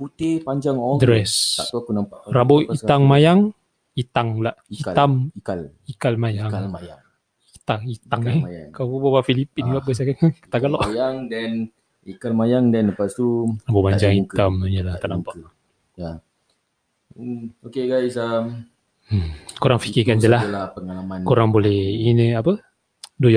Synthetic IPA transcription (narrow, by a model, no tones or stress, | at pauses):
put̪epaɲd͡ʒaŋɔdɾɛsa̰t̪uakunampaʔraboiaŋmajaŋ | it̪aŋlaʔit̪amalikalmajaŋjaŋ | it̪aŋit̪aŋeŋkawubawafilipinlaʔbəs̬aɡakakt̪aɡalɔʔjaŋdɛn | ikalmajaŋdɛnləpast̪ubəbaɲɲd͡ʒaŋit̪amɲəlaht̪aʔnampaʔ | ja | okeɡajsam̩ | koɾaŋfikikand͡ʒəlahlapəŋalamãnkoɾaŋbolɛhinəapə | doja